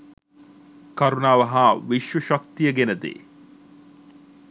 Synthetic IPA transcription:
kɐɾunaːʋɐɦaːʋiʃʋuʃakt̪ijəɡenəd̪ḛː

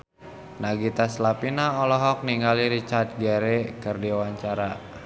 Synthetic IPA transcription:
naɡit̪aslapinaɔlɔɦɔk̚niŋɡaliɾit͡ʃart̪̚ɡɛɾekərdiwaɲt͡ʃaɾa

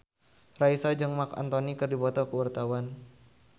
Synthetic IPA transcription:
raisad͡ʒɨŋmaka̰nt̪ɔnikɨrdibɔt̪ɔkəwart̪awan

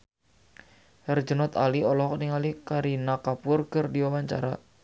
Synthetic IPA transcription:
hərd͡ʒənɔt̪aliɔlɔɦɔkniŋalikaɾinakapʊrkərdiwawaɲt͡ʃa̰ɾa

